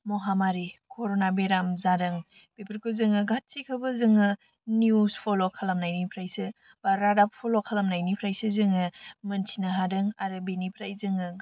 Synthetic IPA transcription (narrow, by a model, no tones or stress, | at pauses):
moɦamaɾikʰoɾonabeɾamzaɾɯŋ | b̥epʰəɾkʰuzɯŋɯɡat̚sikʰɯbɯzɯŋɯ | njuspʰolokʰalamnajnipʰɾajsɯ | b̥aɾadap̚pʰolokʰalɐmnajnipʰɾajsɯzɯŋɯmɐnsʰinaɦadɯŋaɾɯbenipʰɾajzɯŋɯ